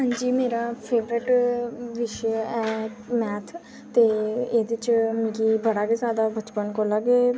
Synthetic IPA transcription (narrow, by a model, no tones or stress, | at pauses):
ɦãːɲd͡ʒiːmeːɾaːpʰeːʋɾɪʈʋɪʃɛːmɛːt̪ʰ | t̪eːeːd̪ɪt͡ʃmĩːkiːbəɽaːkezaːd̪aːbət͡ʃpənkoːlaɡeː